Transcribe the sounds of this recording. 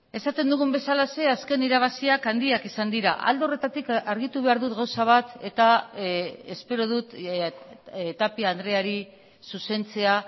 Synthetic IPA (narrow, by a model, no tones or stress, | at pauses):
e̞sat̪e̞nd̪uɣ̞umbe̞salase̞aske̞niɾaβ̞asiakand̪iakisand̪iɾaʔa̰ld̪eo̞re̞t̪at̪ikaɾɣ̞it̪uβ̞e̞aɾðut̪ɡawsaβ̞at̪e̞t̪a | e̞spe̞ɾo̞ð̞ut̪ | t̪apiand̪ɾe̞aɾi | suse̞nt͡se̞a